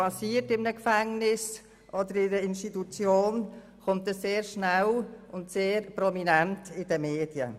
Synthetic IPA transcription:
ɑsiːətɪmnəkfɛŋnɪs | ʔɔdəɾɪdəɪnʃtitut͡sjoːn | kʊmt̚dəsseːɾʃnælʊntseːɾpɾɔminɛntɪd̥əmeːd̥jə̰

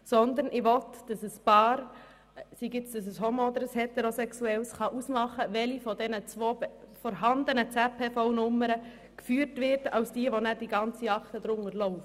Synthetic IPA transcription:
sɔnd̪əɾnʔɪʋɔtd̥ɑsəsb̥ɑːɾ | siɡɪt͡sd̥ɑs̬əsɦomod̪əɾəshet̪eɾosɛksuɛlsχɑʔusmɑχəʋɛlifɔdɛnət͡sʋoːbfɔɾɦɑnd̪ənət͡sɛpʰeːfɔʊnʊmːəɾə | kfyːəɾtʋɪɾdɑwsd̥iəʋonæd̥iɡɑnt͡siɑkt̪əd̪ɾʊŋəɾlɔʊft

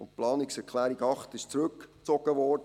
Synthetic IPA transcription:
ʊntplɑːnɪksɛɾkʰlæːɾiɡɑχtɪʃt͡sɾɵkt͡sɔɡ̥əʋɔɾdə

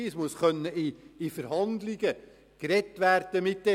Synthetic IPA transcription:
ismusχœnːəɪːfəɾhɑnd̪lɪɡə | kɾɛtʋæːrd̥əmɪt̚dɛ

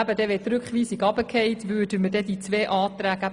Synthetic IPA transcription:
æbədɛʋɛːtɾʉkχʋiːsɪɡɑbəkʰɛjtʋʉːdəmədɛdit͡sʋeːʔɑːt̪ɾæːɡæ

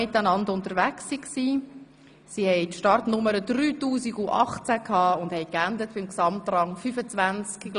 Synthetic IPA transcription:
ɪtanɑndʊntəɾʋæksːiksiː | sihɛɪtʃtɑrtnʊməɾəd̥ryːtuːsiɡuʔɑ̰χt͡sækʰhɑːʊnd̥hɛɪkændətb̥ɪmksɑmtrɑŋfyfət͡svænt͡ski

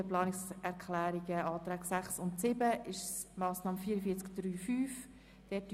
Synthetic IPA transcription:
əplɑːnɪksɛɾkʰlæːɾiɡəɑːt̪ɾɛːɡsæχsʊntsɪbəɪʃsmɑːsnɑːmfiːɾəfiət͡skd̥ɾyːfyːf | d̥ɛːt̚ː

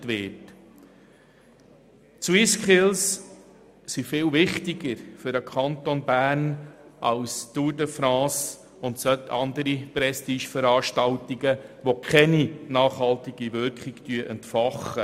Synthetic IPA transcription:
tʋɪt | swɪskʰɪls | sifɪːlvɪχtɪɡ̥əɾfʏɾəkʰɑnt̪onbæːrnʔɑʊstudəfɾɑ̃ːs | ʊntsœtʰɑ̰nd̪əɾiprɛstiːʃfəɾɑːɾʃtɑltiɡəʋokʰɛninɑːχhɑltɪɡivʏɾkχɪɡ̥tyəʔɛntfɑχə

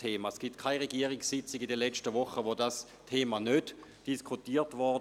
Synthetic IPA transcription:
eːmasɡ̥iptkʰaɪʁeɡiəʁiksːɪt͡sɪɡidɛlɛt͡stəvɔχəvodas | tʰeːmanødd̥iskʰutiːtvɔ

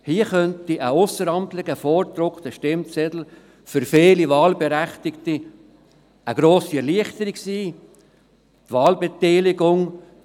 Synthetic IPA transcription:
hiəχœntiʔəʊsəɾɑmtlɪɡ̥əfɔːɾd̪ɾʊkt̪əʃtɪmt͡sɛd̪l̩ | fʏɾfeːliʋɑːlbeɾæχt̪ɪkti | əɡ̥ɾoːsiɛɾliəχt̪əɾiksiː | t̪vʋɑːlbet̪ɛːlɪɡʊŋ

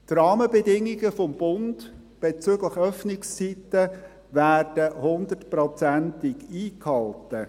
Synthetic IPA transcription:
t̪rɑːməbɛdɪŋːiɡəfɔmb̥ʊnd | b̥et͡søɡləχœfnɪkst͡sitə | væːrd̥əhʊnd̪ətprɔt͡sæntɪkiːkhɑltə

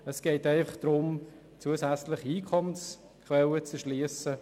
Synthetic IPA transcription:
əsɡ̥ɛɪtɛɪfɐχd̥ɾʊm | t͡suəsæt͡slɪχiiːkʰɔməns | kʰwɛlət͡səʃliːəsə

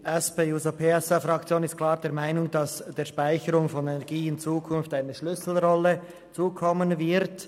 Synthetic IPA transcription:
ʔɛspeːjuːzopʰeːɛsafʁɑk̚t͡sjoːnɪstkʰl̥aːʁdeːɐmaɪnʊŋdɑsd̥eːɐʃpaɪçəɾʊŋfɔnɛnɛɐɡiːɪnt͡suːkʰʊnftaɪnəʃlʏsl̩ʁɔlə | t͡suːkʰɔmənvɪʁt

